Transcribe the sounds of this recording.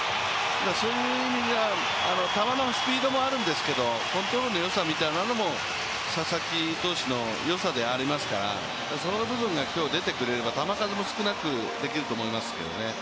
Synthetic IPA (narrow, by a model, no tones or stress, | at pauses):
d̪aso̞jɯ | imʲiɡa | ano̞t̪amanosɨ̥pʲiːd̪o̞mo̞aɾɯ̟̃nd̪e̞sɨ̥ke̞d̪o̞kõ̞nt̪ɾoɾɯno̞jo̞samʲit̪ainano̞mo̞ | ɕasakʲit̪o̞ːɕino̞ | jo̞sad̪e̞aɾʲimasɨ̥kaɾa̰ | d̪aso̞obɯ̟bɯ̟̃ŋɡakʲo̞ːd̪e̞t̪e̞kɯ̟ɾe̞ɾe̞bat̪amakazemo̞sɨ̥kɯ̟nakɯ̟ | d̪e̞kʲiɾɯ̟t̪oːmo̞imaske̞̰d̪o̞̰ne̞